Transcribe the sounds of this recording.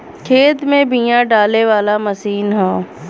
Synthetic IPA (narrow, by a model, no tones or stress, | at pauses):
kʰeːt̪mẽbĩjãɖaːleʋaːlaməsiːnɦaː